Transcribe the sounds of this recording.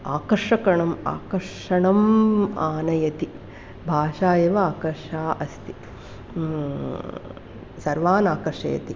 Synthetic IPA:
aːkɐɾʂɐkɐɳɐma̰ːkɐɾʂɐɳɐmaːnɐjɐt̪i | bʱaːʃaːjɐʋɐaːkɐɾʂaːʔɐst̪i̥ | sɐɾʋaːnaːkɐɾʂɐ̰jɐ̰t̪i

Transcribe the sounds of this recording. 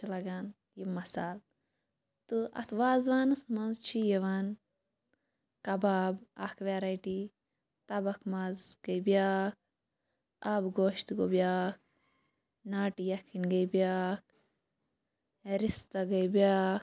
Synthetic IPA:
lɐɡan | jimɐsaːl | t̪ɨɐ̰t̪ʰʋaːzʋaːnɐsmɐnzt͡ʃʰijeʋan | kɐbaːbɐ̰kʰʋeɾɐjʈi | t̪ɐbɐkʰmɐzɡ̥ɐjbijaːk̚ | aːbɡoːʃt̪ɡobjaːk̚ | naːʈijɐkʰːinɡɐjbijaːk̚ | ɾist̪ɐɡɐjbiaːk

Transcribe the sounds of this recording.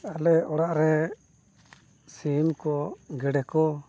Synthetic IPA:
alɛɔɽaʔɾɛ | simkɔɡɛɖɛkɔ

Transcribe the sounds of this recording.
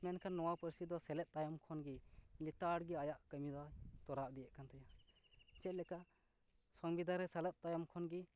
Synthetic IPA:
mɛnkʰanːɔwapəɾsid̪ɔsɛlɛt̪̚t̪ajɔmkʰɔnɡilit̪aɽɡiajaʔkəmid̪ɔt̪ɔɾaʔ̚d̪ijɛʔ̚kʰant̪ʰɛja | t͡ʃɛt̪̚lɛkaʔ | sɔŋbid̪ʱaɾɛsalət̪̚t̪ajɔmkʰɔnɡi

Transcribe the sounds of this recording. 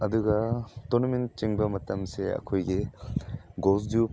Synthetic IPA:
ɐduɡɐtonɔment͡ʃiŋbɐmɐtɐmseɐ̰kʰojɡi | ɡosdup

